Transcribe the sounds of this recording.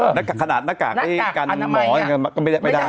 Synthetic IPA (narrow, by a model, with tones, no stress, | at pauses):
naː˦˥˩ka˨˩kʰa˧naː˨˩t̪̚naː˦˥˩kaː˨˩k̚t̪ʰiː˥˩ka˧n˧mɔː˩˦˧ma˧kɔ˥˩ma˥˩jdaː˥˩ma˥˩daː˧˥˩